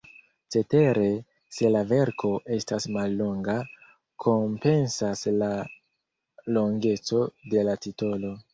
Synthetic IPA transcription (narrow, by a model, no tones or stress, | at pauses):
t͡ʃe̞te̞ɾe̞ | se̞lave̞ɾkʰo̞ʔe̞stasmalːo̞ŋɡa | kʰo̞mpe̞nsasla | lo̞ŋɡe̞t͡so̞de̞latito̞lo̞